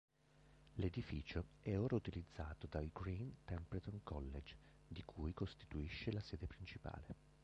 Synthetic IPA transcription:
led̪ifiːt͡ʃoɛoːɾaut̪ilid̪zːaːt̪od̪alɡɾint̪ɛmpɾt̪onkʰɔlːed͡ʒ | d̪ikʰujkost̪i̥t̪uiʃːelasɛːd̪epɾint͡ʃipa̰ːle

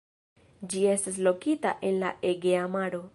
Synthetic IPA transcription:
d͡ʒiestas̬lokit̪a̰ʔenla̰ʔeɡeamaɾo

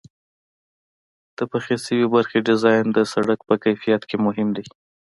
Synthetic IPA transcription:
d̪̥əpaxesəwebaɾxeɖɪzɑjɪnd̪əsaɽak̚pəkajfijat̪kemʊɦɪmd̪a

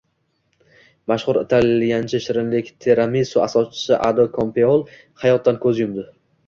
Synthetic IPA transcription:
maʃχʊɾɪt̪ʰaljʲant͡ʃʰɪʃɪɾɪnlɪkʲt̪ʰeɾamisuasɒt͡ʃɪ̥sɪʔad̪okʰompʰeolˠ | hajɒt̪̚ːankʰɵzjʊmd̪ɪ

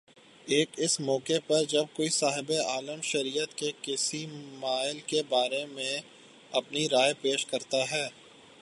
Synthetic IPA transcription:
eːkɪsmɔːkepɐɾd͡ʒɐb̚koːisaːɦɪbeaːləmʃɐɾiːjət̪kekɪsimaːɪlkebaːɾemẽ | ɐpniɾaːepeːʃkɐɾt̪aɦɛː

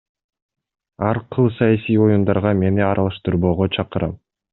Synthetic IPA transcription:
ɑɾqʰɯlˠsɑjasijo̞jund̪ɑɾʁɑme̞niɑɾɑlˠɑʃt̪ɯɾβo̞ːʁot͡ʃʰɑqɯɾɑ̰m

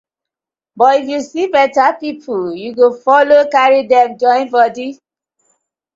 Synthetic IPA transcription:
bɔtifjusibɛtapipʰuljuɡofɔlokaɹidɛkd͡ʒɔ̃ɪ̃nbɔdi

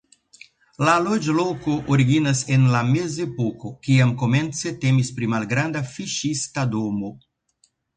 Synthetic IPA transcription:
lalod͡ʒlokoʔoɾiɡinase̞nlame̞zepoko̞kiamko̞me̞nt͡se̞te̞mispɾimalɡɾandafiʃistadomo

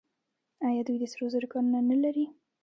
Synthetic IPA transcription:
ajɑd̪ujd̪əsɾozəɾʊkɑnunanalaɾi

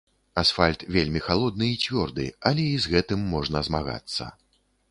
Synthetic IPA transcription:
asfalʲt̪vʲelʲmʲixalˠɔd̪nɨːt͡sʲvʲɔrd̪ɨ̰alʲɛizɣɛt̪ɨmːɔʐnɐzmaɣa̰t̪sːɐ̰

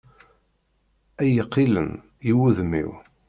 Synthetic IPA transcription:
æjəqːilə̰n | jiwuðmḭw

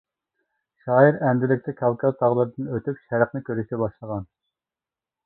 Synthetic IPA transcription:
ʃɑːjiɾɛnd̪ɪlɪkʲt̪ʰɛkʲʰɑlkʲʰɛlt̪ʰɑʁlˠɨɾɨd̪ɨnøt̪ʰypʃɛɾəqnɨkʲøɾyʃt̪ɛbɑʃlˠəʁɑn

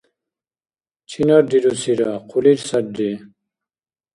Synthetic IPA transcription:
t͡ɕʰinaɾd̪iɾusiɾaqʰuliɾsɐɾdi

